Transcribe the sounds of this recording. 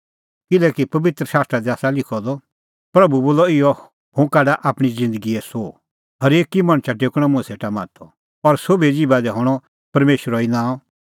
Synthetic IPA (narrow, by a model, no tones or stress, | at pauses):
kɪlɛːkipɐʋɪt̪ɾəsaːst̪ɾad̪iaːsalɪkʰɔd̪ɔ | pɾɐbuboːlɔɪjɔ | hʊ̃kɛːɖaʔaːpɽ̃id͡zɪ̃nd̪əɡiɛso | ɦɐɾeːkimɐ̃ɽ̃t͡ʃʰaʈeːkɽ̃ɔ̃mʊ̃ɛseːʈamaːt̪ʰɔ | ɔɾsobed͡ʒibad̪ɛɦɔːɽ̃ɔ | pɐɾmeːʃɾɔinãːɔ